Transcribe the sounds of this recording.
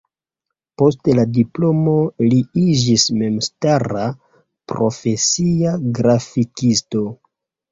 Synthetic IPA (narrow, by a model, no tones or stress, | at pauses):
po̞steladiplo̞mo̞liid͡ʒisme̞mstaɾa | pɾo̞̰fe̞siaɡɾafikisto̞